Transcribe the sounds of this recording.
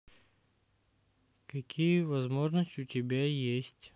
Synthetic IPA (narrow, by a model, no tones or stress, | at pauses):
kɐkʲʰijəvɐzmo̞ʐnəsʲtʲɪʊtʲɪbʲajesʲtʲ